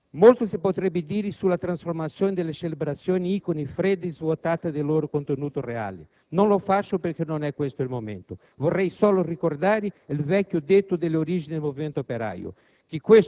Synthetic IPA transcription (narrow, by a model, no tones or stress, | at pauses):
molt̪ʊsipot̪ɾɛbːɪd̪iːɾɪsulːat̪ɾansfoɾmat̪sːjoːnid̪elːet͡ʃelebɾat̪sːjoːniikonifɾɛd̪izvot̪aːt̪ad̪ɪloːɾʊkont̪enuːt̪ʊrea̰lɪ̰ | nonlofat͡ʃːʊpeɾkenonɛkːwest̪ʊilmomḛnt̪ʊ | vorːɛjsoːlʊrikord̪aːɾɪilvɛkjʊd̪et̪ːʊd̪elːeoɾid͡ʒinid̪elmoviment̪oopeɾa̰jʊ̰ | k̟ɪkːwes